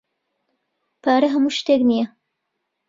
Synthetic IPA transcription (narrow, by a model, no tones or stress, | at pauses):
pʰaːɾɐɦɐmuːʃt̪eknijɐ